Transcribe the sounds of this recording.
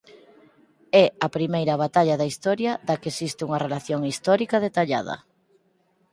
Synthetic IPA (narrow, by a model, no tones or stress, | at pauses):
ɛɐpɾimejɾɐβ̞at̪aʎɐðɐist̪ɔɾjɐðakesist̪euŋɐrelaθjoŋist̪ɔɾikɐð̞et̪aʎa̰ðɐ̰